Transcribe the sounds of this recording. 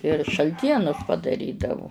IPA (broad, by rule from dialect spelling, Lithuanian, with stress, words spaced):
ɪr ʃɐlʲˈtʲiɛnʊs pɐdɐˈrʲiːdɐʋʊ